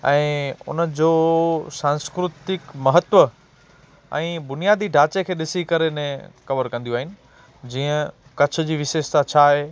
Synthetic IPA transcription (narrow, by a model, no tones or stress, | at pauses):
ɛ̃ːʊ̰nəd͡ʑoːsãːnskɾʊt̪ɪkmɐɦət̪ʋə | ɛ̰̃ːbʊnijaːd̪ʱiɖʱaːt͡ɕekʰeːɗɪsikɐɾenẽkɐʋəɾkɐ̃nd̪iũaːɦɪnɪ̆ | d͡ʑiːə̃ | kɐt͡ɕʰʊ̆d͡ʑiːʋɪʃeːʃt̪at͡ɕʰaːɦeː